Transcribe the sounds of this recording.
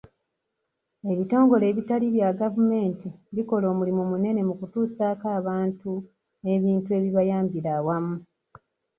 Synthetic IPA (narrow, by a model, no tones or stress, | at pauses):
e̞βito̞ːŋɡo̞le̞ːβitaliβjaɡavume̞ːntiβiko̞lo̞ːmulimumune̞ne̞mukutuːsaːkaːβaːntu | e̞βiːntue̞βiβajaːmbiɾawamu